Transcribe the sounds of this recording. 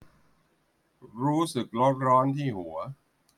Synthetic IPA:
ɾuː˦˥sɯ˨˩k̚lo˦˥t̪̚ɾɔː˦˥nt̪ʰiː˥˩hu˩˦ɐ

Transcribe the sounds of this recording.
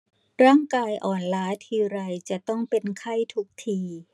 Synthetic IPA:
ɾaː˥˩ŋkaː˧jʔɔː˨˩nlaː˦˥t̪ʰiː˧ɾa˧jt͡ɕa˨˩t̪ɔ˥˩ŋpe˧nkʰa˥˩jt̪ʰu˦˥k̚t̪ʰiː˧

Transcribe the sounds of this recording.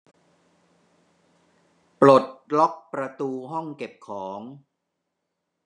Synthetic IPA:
pɾo˨˩t̪̚lɔ˦˥k̚pɾa˧t̪uː˧ɦɔ˥˩ŋke˨˩p̚kʰɔː˩˦ŋ

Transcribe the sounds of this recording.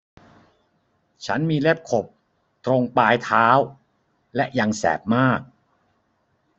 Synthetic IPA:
t͡ɕʰa˦˥nmiː˧le˥˩p̚kʰo˨˩p̚ | t̪ɾo˧ŋpaː˧jt̪ʰaː˦˥w | lɛ˦˥ʔja˧ŋsɛ̰ː˨˩p̚maː˥˩k̚

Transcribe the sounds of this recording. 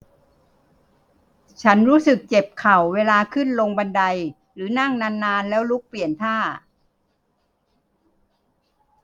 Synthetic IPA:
t͡ɕʰa˦˥nɾuː˦˥sɯ˨˩k̚t͡ɕe˨˩p̚kʰa˨˩wːeː˧laː˧kʰɯ˥˩nlo˧ŋba˧nda˧j | ɾɯː˩˦na˥˩ŋnaː˧nːaː˧nlɛː˦˥wlu˦˥k̚pli˨˩ənt̪ʰaː˥˩

